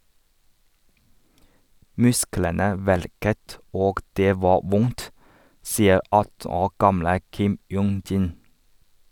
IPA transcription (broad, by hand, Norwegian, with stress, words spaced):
ˈmʉsklənə ˈʋæɭkət ˈoːɡ ˈdeː ˈʋɑː ˈʋʊnt ˈsiːə ˈɑtn̩ ˈoːɾ ˈɡɑmlə ˈkɪm ˈjuːŋ ˈdiːn